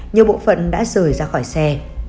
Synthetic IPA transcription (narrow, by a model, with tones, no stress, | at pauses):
ɲi˨˩əɓo̰˧˨fə̰˧˨nɗa̰ː˧˥zəː˨˩jzaː˧xɔ˧˩jsɛ˧